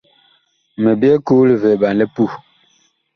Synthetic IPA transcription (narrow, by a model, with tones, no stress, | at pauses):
me˨bjɛ˦ku˦li˨ve˨ɓa˨n˨le˦pu˦˨